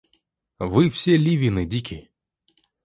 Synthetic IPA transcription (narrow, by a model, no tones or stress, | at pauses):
vɨfsʲelʲivʲinɨdʲikʲɪ